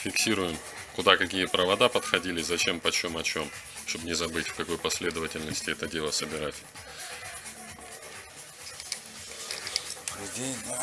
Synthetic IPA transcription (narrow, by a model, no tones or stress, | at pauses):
fʲɪksʲiɾʊjɪm | kʊd̪akɐkʲijəpɾəvɐd̪apət̪xɐdʲilʲɪzɐt͡ɕe̞mpɐt͡ɕo̞mɐt͡ɕo̞m | ʂt̪o̞bnʲɪzɐbɨtʲfkɐko̞jpɐsʲlʲe̞d̪əvətʲɪlʲnəsʲtʲɪɛt̪ədʲe̞lˠəsəbʲɪɾatʲ